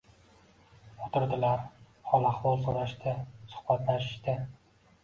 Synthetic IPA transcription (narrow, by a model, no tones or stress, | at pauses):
ʊt̪ɪɾd̪ɪlaɾ | hɒlˠaχvɒlˠsoɾaʃt̪ʰɪsʊ̥hbat̪laʃɪ̥ʃt̪ɪ